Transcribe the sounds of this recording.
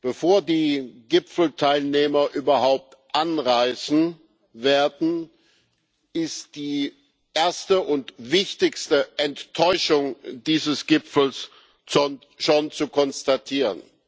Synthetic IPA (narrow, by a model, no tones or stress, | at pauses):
b̥əfoːɐdiːɡɪpfl̩tʰaɪlneːmɐʔyːbɐhaʊp̚tʔanʁaɪsn̩ | veːɐdn̩ | ʔɪstd̥iː | ʔeːɐstəʊntvɪçtɪçstəʔɛntːʰɔʏʃʊŋd̥iːzəsɡ̥ɪpfl̩s | o | ʃont͡sukʰɔnstatʰiːʁən